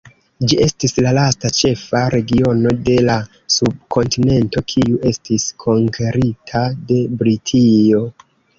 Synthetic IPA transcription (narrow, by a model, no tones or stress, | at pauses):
d͡ʒie̞stislalastat͡ʃe̞faɾe̞ɡio̞no̞de̞la | sub̚kʰo̞ntine̞nto̞kʰiuʔe̞stiskʰo̞ŋkʰe̞ɾitʰade̞bɾitʰio̞